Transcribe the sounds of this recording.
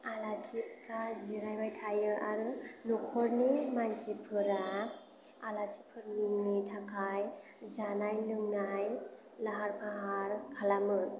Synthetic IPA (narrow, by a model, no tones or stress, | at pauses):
alasipʰɾaziɾajbajtʰajɯʔaɾɯnɔkʰɔɾnimansipʰɯɾa | alasipʰɯɾlɯŋnitʰakʰaj | zanajlɯŋnaj | laɦaɾpʰaɦaɾkʰalamɯ